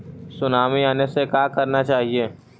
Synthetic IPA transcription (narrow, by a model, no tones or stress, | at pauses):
sʊnaːmiaːnesekaːkɐɾnat͡ʃaːɦieː